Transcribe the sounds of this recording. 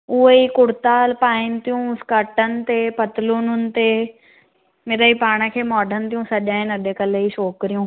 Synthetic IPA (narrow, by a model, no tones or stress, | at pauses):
ʊɦeikʊɽt̪aːlpaːɪnɪt̪ijũʊskəʈənɪ̆t̪epɐt̪lʊnʊnɪ̆t̪e | meɾəipaːɽ̃əkʰeːmɔːɖʱənɪt̪ijũsɐʄaːɦɪ̃nɐɗekɐleiʃoːkɾijũː